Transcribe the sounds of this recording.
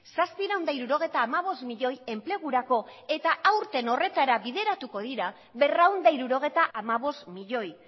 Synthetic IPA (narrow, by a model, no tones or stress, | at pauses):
saspiɾawnd̪aiɾuɾo̞ɣ̞e̞t̪aːmaβ̞o̞smiʎo̞je̞mple̞ɣuɾako̞e̞t̪aʔawɾt̪e̞no̞re̞t̪aɾaβiðe̞ɾat̪uko̞ðiɾa | βe̞rawnd̪aiɾuɾo̞ɣ̞e̞t̪aʔamaβo̞st̪miʎo̞j